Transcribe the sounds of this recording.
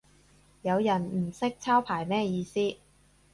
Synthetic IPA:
jɐ˨˧wjɐ˨˩nm̩˨˩sɪ˥k̚t͡sʰaː˥wpʰaː˨˩jmɛː˥jiː˧siː˥

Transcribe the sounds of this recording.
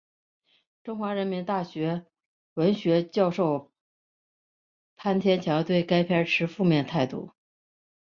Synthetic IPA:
ʈ͡ʂʊ˥ŋxwa˧˥ɻə˧˥nmi˧˥nt̪a˥˩ɕɥɛ˧˥ | wə˧˥nɕɥɛ˧˥t͡ɕjɑ˥˧ʊʂo˥˩ʊ | pʰa˥nt̪ʰjɛ˥nt͡ɕʰjɑ˧˥t̪we˥˩ɪka˥ɪpʰjɛ˥ʈ͡ʂʰɻ̩˧˥fu˥˧mjɛ˥˧nt̪ʰa˥˧ɪt̪ṵ˥˩

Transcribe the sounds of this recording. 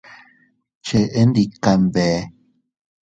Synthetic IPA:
t͡ʃe˧ʔe˦ndi˧ka˨mbe˨˦

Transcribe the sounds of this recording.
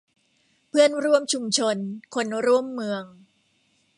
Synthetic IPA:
pʰɯ˥˩ənɾu˥˩əmt͡ɕʰu˧mt͡ɕʰo˧nkʰo˧nɾu˥˩əmːɯ˧əŋ

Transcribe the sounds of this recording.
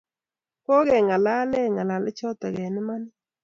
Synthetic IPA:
kɔ˦ɣɛ˨ŋa˨la˦lɛ˦˨ŋa˨la˨lɪ˦t͡ʃɔ˦t̪ɔ˨ɣɛ˨nɪ˦ma˦nɪ˦

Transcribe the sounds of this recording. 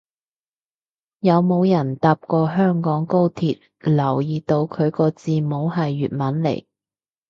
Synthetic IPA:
jɐ˨˧wmo˨˧wjɐ˨˩nt̪aː˨p̚kɔː˧ɦœː˥ŋkɔː˨˥ŋko˥wt̪ʰiː˨t̚ | lɐ˨˩wjiː˨t̪o˧wkʰɵ˨˧ɥkɔː˧t͡siː˧mo˨˧wɦɐ˨jːyː˨t̚mɐ˨˥nlḛ˨˩j

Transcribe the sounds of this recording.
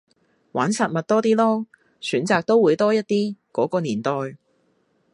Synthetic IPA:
waː˨˥nsaː˨˧t̚mɐ˨t̚t̪ɔː˥t̪iː˥lɔː˥ | syː˨˥nt͡saː˨˧k̚t̪o˥wuː˨˧jt̪ɔː˥jɐ˥t̚t̪iː˥kɔː˨˥kɔː˧niː˨˩nt̪ɔː˨˧j

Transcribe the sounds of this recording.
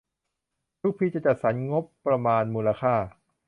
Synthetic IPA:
ɾu˥˩kpʰiː˧˩t͡ɕa˨˩t͡ɕa˨˩t̪̚sa˩˦nŋo˦˥pːɾa˧maː˧nmuː˧la˧kʰaː˥˩

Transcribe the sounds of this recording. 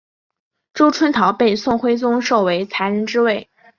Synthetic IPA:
ʈ͡ʂo˥ʊʈ͡ʂʰwə˥nt̪ʰɑ˧˥ʊpe˥˧ɪsʊ˥˩ŋxwe˥ɪt͡sʊ˥ŋʂo˥˩ʊwe˧˥ɪt͡sʰa˧˥ɪɻə˧˥nʈ͡ʂɻ̩˥we˥˩ɪ

